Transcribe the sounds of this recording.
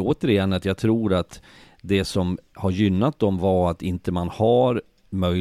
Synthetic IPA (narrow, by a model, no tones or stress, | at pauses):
oːt̪əɾɪjɛnːat̪jɑːɡ̚t̪ʰɾuːɾat̪ | d̪ɛsɔmhaɾjʏnːat̪̚d̪ɔmvaɾat̪ɪnt̪əmanhaɾ | mœ